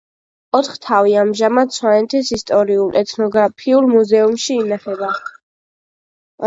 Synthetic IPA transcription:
ɔt̪ʰχt̪ʰaviamʒamad̪sʰwanɛt̪ʰɛsist̪ʼɔɾiulˠɛt̪ʰnɔɡɾapʰiulmuzɛumʃiːnaχɛba

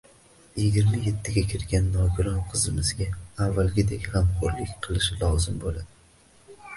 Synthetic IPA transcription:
jɪɡʲɪɾmaje̞t̪ʰːɪɡʲakʲʰɪɾɡʲanːɒɡʲʊlˠɒnqʰɨzɪmɪzɡʲaavːalɡʲɪd̪e̞kʲhamqʰoɾlɪkʲqʰɨlˠɪʃlˠɒzɪmbolad̪ɪ

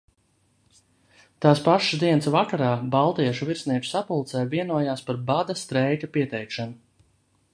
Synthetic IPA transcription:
t̪aːspaʃd̪iɛnsvakaɾaːbalˠt̪iɛʃuviɾsniɛk̪u̥sapulˠt̪sɛːviɛnuɔjaːspaɾbad̪ast̪ɾɛjk̪apiɛt̪ɛjkʃanu

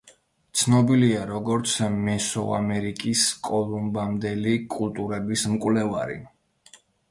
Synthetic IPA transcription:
t̪sʰnɔbiliaɾɔɡɔɾt̪sʰmɛsɔ̰a̰mɛɾikʼiskʼɔlˠumbamd̪ɛlikʼulˠt̪ʼuɾɛbismkʼwlɛvaɾḭ

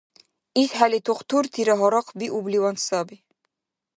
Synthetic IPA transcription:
isħælit̪ʰuqt̪ʰuɾt̪ʰiɾæɦɔɾɑqʰbiʔubliwɑnsɑbi

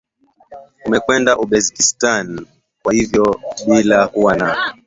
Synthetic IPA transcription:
umɛkwɛndaʔuɓɛzikistan | kwahivjɔɓilakuwanaɔ

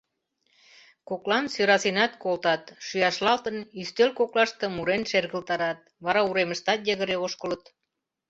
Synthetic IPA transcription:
koklɑnsøɾɑsinɑt̪̚kolt̪ɑt̪ʃyjɑʃlɑlt̪ənyst̪ølkoklɑʃt̪ɤ̆muɾenʃerɣəlt̪ɑɾɑt̪̚βɑɾɑuɾeməʃt̪ɑt̪jəɣəɾeoʃkələt̪

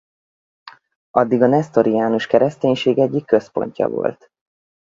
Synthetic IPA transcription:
ɒd̪ːiɡɒnɛst̪o̞ɾiaːnuʃkɛɾɛst̪eːɲʃeːɡɛɟːikːøspo̞̰ɲcɒ̰vo̞̰lt̪

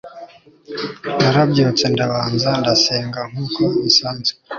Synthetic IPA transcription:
naɾabjoːt͡se̞ndaβaːnzandaseːŋɡaŋ̥uːkomisaːnze̥

